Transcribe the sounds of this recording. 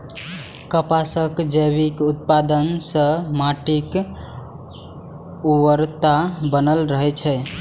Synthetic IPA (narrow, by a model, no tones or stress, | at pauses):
kəpasəkd͡ʒəjβikut̪̚pad̪ənsəmaʈik | uwəɾt̪abənəlɾəɦɛt͡ʃʰɛ